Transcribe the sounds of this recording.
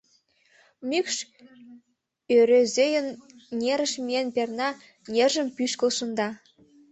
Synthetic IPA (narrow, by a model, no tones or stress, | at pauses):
mykʃ | øɾezʲejə̆n | nʲeɾə̆ʃmʲienpʲernɑ | nʲerʒə̆mpyʃkə̆lˠʃɤ̆nd̪ɑ